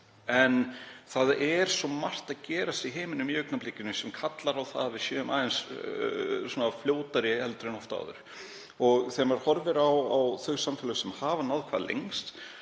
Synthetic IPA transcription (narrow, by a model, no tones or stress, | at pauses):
ɛnθaðɛɾ̥sɔmar̥t̪aðcɛːɾast̪iɦeːmɪnʏmjœɥk̚namplicːɪnʏsɛmkʰat̪laɾawθa̰ðvɪðsjœːmʔaːðɛns | sɔːnafljoːwt̪aɾɪɛlt̪ɾʏnɔft̪a̰ːðʏ̰ɾ̥ | ɔɣθɛmvaɾ̥hɔɾvɪɾawawθœɥsamfɪlʏɣsɛmhaːvanaðkʰvaːðlḛjŋst̪